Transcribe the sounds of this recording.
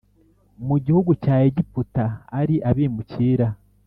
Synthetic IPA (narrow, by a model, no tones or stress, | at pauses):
muɟihuɡucaːjeɟiputaːɾiʔaβiːmuciːɾa